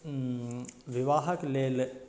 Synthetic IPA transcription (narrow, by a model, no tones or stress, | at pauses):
ʋɪʋaːɦɐkleːl